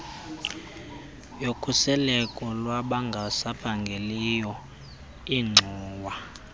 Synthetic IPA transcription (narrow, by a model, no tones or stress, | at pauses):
jokʰusɛlɛkʼɔlwaɓaŋɡʱasapʰaŋɡʱelijɔ | iŋ͡ǀʱuːwa